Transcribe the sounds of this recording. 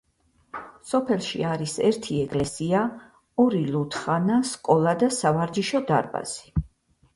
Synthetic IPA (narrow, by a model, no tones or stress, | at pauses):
sɔpʰɛlˠʃḭaɾisɛɾt̪ʰiɛkʼlɛsia | ɔɾilut̪ʰχanaskʼɔlˠad̪asavaɾd͡ʒiʃɔd̪a̰ɾba̰z̥i̥